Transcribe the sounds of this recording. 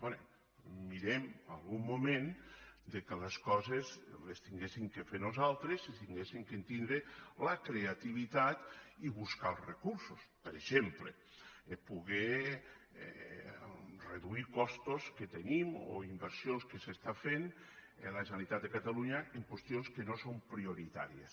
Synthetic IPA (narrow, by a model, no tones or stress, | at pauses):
bonḛ | miɾemalˠɣumːumẽnd̪ekeleskɔzezlest̪iŋɡesiŋkefeɾnuzalˠt̪ɾesist̪iŋɡesiŋkent̪ind̪ɾelakɾeat̪iβit̪at̪iβuskalˠzrekuɾsospeɾeʃemplḛ | puɣɛ̰ | reðuikɔst̪osket̪enimo̰imbeɾsjonskesest̪afen | elaʒenalit̪at̪d̪ekat̪aluɲaʔeŋkwest̪ionskenosompɾioɾit̪a̰ɾijḛs